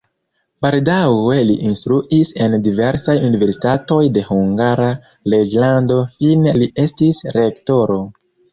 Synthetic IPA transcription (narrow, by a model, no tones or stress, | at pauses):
baldawe̞liʔinstɾuʔise̞ndive̞ɾsajunive̞ɾsi̥tato̞jde̞huŋɡaɾa | le̞d͡ʒlando̞finelie̞stisɾe̞kto̞ɾo̞